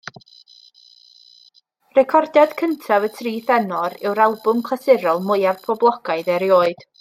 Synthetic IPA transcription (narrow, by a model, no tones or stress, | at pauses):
rɛkʰɔrdjad̥kʰəntʰavətʰriːθɛnɔɾɪwɾalˠbʊmkʰˠasɪɾɔlˠmʊjavpʰɔblˠɔɡaɨðɛɾjoːɨd̥